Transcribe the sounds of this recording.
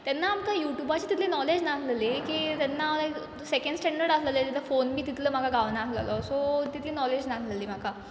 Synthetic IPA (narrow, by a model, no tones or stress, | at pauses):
t̪anːaːmt̪ajuʈjubat͡ɕiːt̪it̪ʰlenɔled͡ʑnakʰləlekiːt̪anːa | sekə̃ɳɖsʈɛɳɖəɾɽasləlet̪it̪əfonbʱiːt̪it̪ʰləːm̤akaɡaʋnaːsla̰lɔsot̪it̪leːnɔled͡ʑnakʰləliːm̤aka